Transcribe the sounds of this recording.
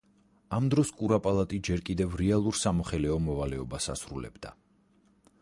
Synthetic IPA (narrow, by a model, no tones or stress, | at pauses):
amd̪ɾɔskʼuɾapʼalˠat̪ʼid͡ʒɛɾkʼid̪ɛvɾɛalˠuɾsamɔχɛlɛɔmɔvalɛɔbasa̰sɾulɛ̰bd̪̥a